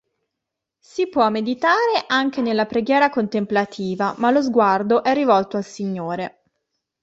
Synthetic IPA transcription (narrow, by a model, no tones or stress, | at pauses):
sipwɔmːed̪it̪aːɾeʔaŋk̟enelːapɾeɡjɛːɾakont̪emplat̪ʰiːvamalozɡward̪oʔɛrːivɔlt̪oalsiɲːoːɾe